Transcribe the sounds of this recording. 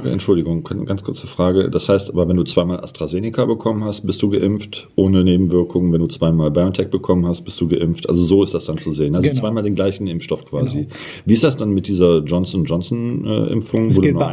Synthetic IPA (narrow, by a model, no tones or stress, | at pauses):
əɛ̰ntt͡ʃʊldɪɡʊŋɡant͡skʰʊɐt͡səfʁ̥aːɡə̰d̥ashaɪstʔaːbɐvɛnduːt͡sv̥aɪmaːlʔa̰stʁ̥azeːnɪkʰabəkʰɔmənhast̚b̥ɪstd̥uːɡəʔɪmftʔoːnəneːbm̩vɪɐkʰʊŋvɛnduːt͡sv̥aɪmaːlbajɔntʰɛk̚b̥əkʰɔmənhast̚b̥ɪstd̥uːɡəʔɪmftʔa̰lzozoːɪstd̥asd̥ant͡suzeːənʔalzot͡sv̥aɪmaːldeːnɡlaɪçn̩ɪmfʃtɔfkv̥aːzi | viːɪstd̥asd̥anmɪt̚d̥iːzɐd͡ʒɔnsnd͡ʒɔnsnʔɛ̰ːʔɪ̰mfʊŋvooːdn